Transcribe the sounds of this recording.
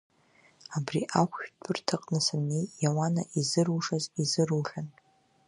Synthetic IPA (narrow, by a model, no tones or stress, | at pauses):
abriʔakʷʰʃᶣtʰɨrtʰaqʼnɨsanejjawana̰ʔizɨrwuʂazizɨrwʒan